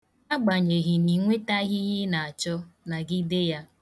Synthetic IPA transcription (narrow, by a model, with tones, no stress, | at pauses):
a˦ɡ͡ba˨ɲe˨ɦi˨ni˨ŋʷe˦ta˦ɣi˦ɦɪ˦na˨a˨t͡ʃɔ˦na˨ɡɪ˦de˦ja˦